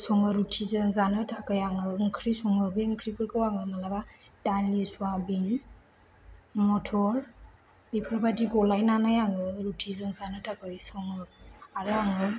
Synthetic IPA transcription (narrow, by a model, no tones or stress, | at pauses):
sɔŋɯɾutʰizɯŋzanɯtʰakɯjaŋɯŋkʰɾisɔŋɯbeŋkʰɾikɯɾkɯwaŋɯmalabadanlisuabiŋ | mɔtʰɔɾ | b̥ipʰaɾbadiɡɔlajnanajaŋɯɾutʰizɯŋzanɯtʰakɯjsɔŋɯaɾɯaŋɯ